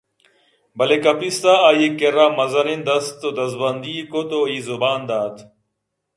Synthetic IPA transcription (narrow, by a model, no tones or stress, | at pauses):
bɐleːkɐpist̪aːaːjekeɾaːmɐzɐnind̪ɐst̪od̪ɐzbɐnd̪iːkot̪oːiːzʊbaːnd̪aːt̪ʰ